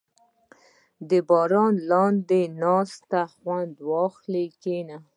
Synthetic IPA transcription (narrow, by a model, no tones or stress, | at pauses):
d̪əbɑɾɑnlɑnd̪enɑst̪axwand̪wɑxlekena